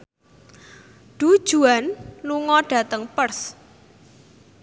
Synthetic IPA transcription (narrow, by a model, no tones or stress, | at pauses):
ɖ̥ud̥ʒ̥ṳanluŋɔɖ̥a̤t̪əŋpərs